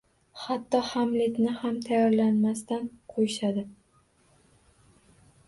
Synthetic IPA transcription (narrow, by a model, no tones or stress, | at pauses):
hat̪ːɒhamlɪt̪nɪhamt̪ʰajɒɾlanmast̪anqʰojɪʃad̪ɪ